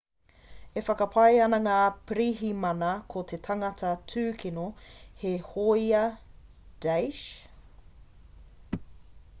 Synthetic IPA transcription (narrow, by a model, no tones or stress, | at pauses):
efɐkɐpʰɐjɐnɐŋaːpɾiɦimɐnɐkʰot̪ʰetʰɐŋɐtʰɐtʰʉːkʰinohehojɐ | d̥ejʃ